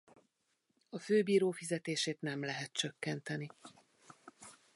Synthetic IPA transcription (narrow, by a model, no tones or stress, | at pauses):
ɒføːbiːɾoːfizɛt̪eːʃeːt̪nɛmlɛɦɛt̪̚t͡ʃøkːɛnt̪ɛni